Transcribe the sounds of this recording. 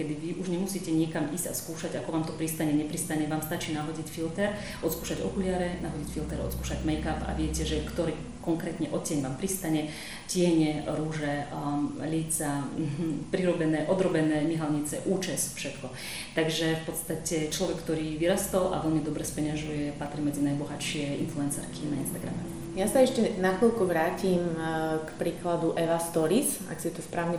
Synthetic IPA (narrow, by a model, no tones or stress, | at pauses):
kɛd̪iʋiʔuʒɲɛmusiːcɛɲɪɛkamiːz̥ɟa̰skuːʃaɟakɔʋaːmt̪ɔpɾist̪aɲɛɲɛpɾist̪aɲɛʋaːmst̪at͡ʃiːnaɦɔɟicfilt̪ɛɾ | ʔɔt̪skuːʃaɟɔ̰kulɪaɾɛnaɦɔɟicfilt̪ɛɾɔ̰t̪skuːʃaɟmɛjkapa̰ʋɪɛcɛʒɛkt̪ɔɾiː | kɔŋkɾɛːt̪ɲɛʔɔt̪t͡ɕɪɛɲʋaːmpɾist̪aɲɛ | cɪɛɲɛɾuʒɛ | lit͡sa | pɾiɾɔbɛnɛːʔɔd̪ɾɔbɛnɛːmiɦalɲit͡sɛʔuːt͡ʃɛsfʃɛt̪kɔ | t̪aɡʒɛfpɔt̪st̪acɛt͡ʃlɔʋɛkːt̪ɔɾiːʋiɾast̪ɔlʔa̰ʋɛʎmid̪ɔbɾɛspɛɲaʒujɛpat̪ɾimɛd͡zinajbɔɦaʃɪɛinfluɛnsɛ̰ɾkʰinaḭnst̪aɡɾa̰mɛ | jasaɛʃcɛnakɔʎkɔʋɾaːcimkpɾiːklad̪uʔɛʋast̪ɔɾis | a̰ksit̪ɔspɾaːʊɲɛ